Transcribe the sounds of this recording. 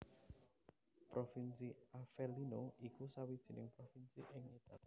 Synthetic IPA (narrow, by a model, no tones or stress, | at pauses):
pɾofinsiafɛlinoikusawid̥ʒ̥i̤nɪ̰ŋpɾofinsḭʔɪŋit̪ali